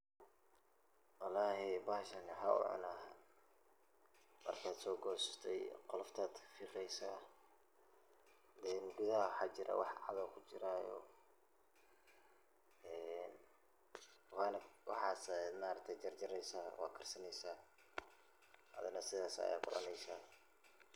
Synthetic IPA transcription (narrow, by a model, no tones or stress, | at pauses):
wɑlaːɦɛbaːʃɐnħaʊ̰ʕʊ̰nɐh | mɐ̰rkʰaːd̪sɔːɡɔːsɪ̥st̪ʰɛjqɔlɔft̪ʰaːd̪fɪɾɛjsaː | d̪ɛːnɡuðɐhwħɑːt͡ʃɪɾʔɐ̰wɑħʕɑ̰ðɐwkʰʊt͡ʃɪɾajɔ̰ | ɛn | wɑːnɐwɑ̰ħɑːsd̪maːɾɐt̪ʰɛt͡ʃɐrt͡ʃɐɾɛjsaːwɑ̰ːkʰɐrsɐnɛjsaː | ɐ̰ðɐnɐsɪðaːsɐ̰ja̰ːkʊlɐ̰nɛjsaː